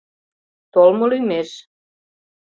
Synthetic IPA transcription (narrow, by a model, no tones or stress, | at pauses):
t̪olmolymeʃ